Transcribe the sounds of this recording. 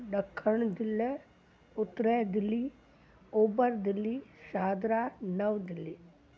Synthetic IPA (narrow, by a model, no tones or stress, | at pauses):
ɖəkʰːəɳd̪ɪlː | ʊt̪ːɾɛd̪ɪlːi | oːbəɾd̪ɪlːisaːd̪ɾanəʋd̪ɪlːi